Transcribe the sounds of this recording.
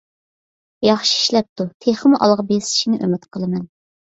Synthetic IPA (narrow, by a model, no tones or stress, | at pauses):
jɑχʃi̥i̥ʃlɛp̚t̪ʰut̪ʰeχəmʔɑ̰lˠʁɑbesɪ̥ʃinɪʔømɪt̪qʰəlˠɨmɛn